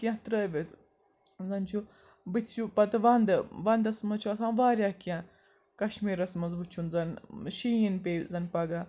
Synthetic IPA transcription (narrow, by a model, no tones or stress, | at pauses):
kijãt̪ɾəːʋʲet̪ | zɐnt͡ʃʰu | bɨt̪ʲʰt͡ʃʰupɐt̪ɨʋɐnd̪ɨʋɐnd̪ɐsmɐt͡ʃʰuɐsãːnʋaːɾʲjaːkijã | kɐʃmiːɾɐsmɐzʋut͡ʃʰunzɐnʃijinpeːzɐnpɐɡa